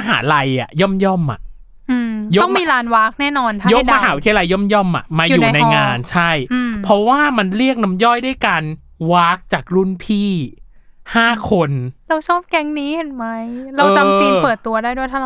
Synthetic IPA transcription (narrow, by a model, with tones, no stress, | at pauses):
a˧ɦa̰ː˩˦la˧ja̰˨˩jɔ˥˩mjɔ˥˩mːa̰˨˩ʔ | ʔɯː˧mjo˦ɔ˥˩ŋmiː˧ɾaː˧nwaː˦˥k̚nɛː˥˩nɔː˧nt̪ʰjo˦˥k̚ma˧ɦaː˨˦wu˦˥t̪ʰi˧la˧jːɔ˥˩mjɔ˥˩mʔa̰˨˩maː˧ju˨juːa˨˧jna˧jŋaː˧nt͡ɕʰa˥˩jpʰɾɔ˦˥waː˥˩ma˧nɾi˥˩ək̚na˦˥mjɔ˥˩jda˥˩jka˧n | waː˦˥k̚t͡ɕaː˨˩k̚ɾu˥˩npʰiː˥˩ | haː˥˩kʰo˧nɾa˧wt͡ɕʰɔː˥˩p̚kɛ˦˥ŋniː˦˥he˨˩nma˦˥jɾa˧wɤː˧a˧m˧si˧npɤː˨˩t̪ːu˧ɐdaː˥˩jdu˥˩t̪ʰa˥˩˧